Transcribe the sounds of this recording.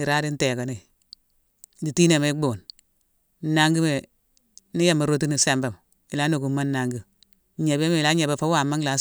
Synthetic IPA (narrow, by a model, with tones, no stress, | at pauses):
i˨ɾa˦di˦n˦te˨ka˨ni˨ | di˨ti˦ne˨me˦ɡ͡bo˨n˨ | na˦ŋɡi˦me˨ | ni˦ja˦˨ma˨ɾo˦ti˦ni˨se˦mba˨m | i˨la˦no˨ku˨˦ma˦n˦na˨ŋɡi˨ | ɲe˨be˦me˨la˦ɲe˨be˦fa˦wa˨ma˦ŋla˨˦s